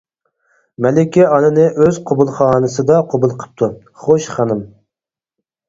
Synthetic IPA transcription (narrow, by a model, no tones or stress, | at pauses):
mɛlɪkʲɛɑnɨnɨʔøz̥qʰobulˠχɑːnɨsɨd̪ɑqʰobulˠqʰə̥p̚t̪ʰu | χoʃχɑnɨm